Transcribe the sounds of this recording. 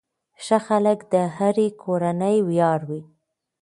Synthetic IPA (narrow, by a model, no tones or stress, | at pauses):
ʃəxaləkd̪əɦaɾekʰoɾanəjwjɑɾwi